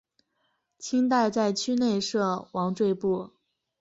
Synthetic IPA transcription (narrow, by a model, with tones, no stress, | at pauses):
t͡ɕʰi˥ŋt̪̬a˥˧ɪt͡sa˥˩ɪt͡ɕʰy˥ne˥˧ɪʂɤ˥˩wɑ˧˥ŋʈ͡ʂwe˥˧ɪpu˥˩